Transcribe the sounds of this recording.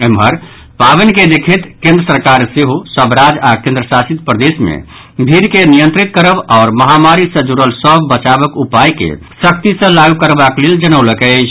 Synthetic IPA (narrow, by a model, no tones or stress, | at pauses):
emɦəɾ | pabənked̪ekʰet̪kẽnd̪ɾəsəɾkaɾseɦosəbɾad͡ʒakẽnd̪ɾəsasit̪̚pɾəd̪esmḛ | bʱiɾkenijə̃nt̪ɾit̪̚kəɾəbɔːɾməɦamaɾisə̃d͡ʒuɾəlsəbbət͡ʃabəkupajkḛ | sək̚t̪isə̃laɡukəɾbakleld͡ʒənəwləkɛt͡ʃʰ